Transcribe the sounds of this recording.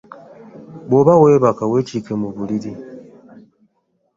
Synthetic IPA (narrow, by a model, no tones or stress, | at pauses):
boβaweβakawet͡ʃikemuβuliɾi